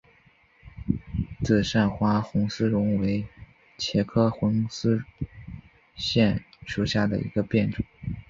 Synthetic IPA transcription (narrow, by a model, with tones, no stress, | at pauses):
t͡sɹ̩˥˩ʂa˥˩nxwa˥xʊ˧˥ŋsɹ̩˥ɻʊ˧˥ŋwe˧˥ɪ | t͡ɕʰjɛ˧˥kʰɤ˥xʊ˧˥ŋsɹ̩˥ | ɕjɛ˥˩nʂu˧˥˩ɕja˥˩d̪ə̰˩ʔḭ˧˥ɡə˧pjɛ˥˩nʈ͡ʂə˨˩˦ŋ